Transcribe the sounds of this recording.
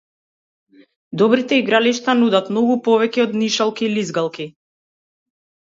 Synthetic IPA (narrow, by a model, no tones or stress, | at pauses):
d̪ɔbɾit̪ɛiɡɾaliʃt̪anud̪at̪mnɔɡupɔvɛcɛɔd̪niʃalˠkiːlizɡalˠki